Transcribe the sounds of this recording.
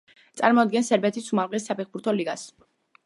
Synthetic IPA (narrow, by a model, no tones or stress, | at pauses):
t̪sʼa̰ɾmɔd̪̚ɡɛnsɛɾbɛt̪ʰisumalʁɛsːapʰɛχbuɾt̪ʰɔliɡas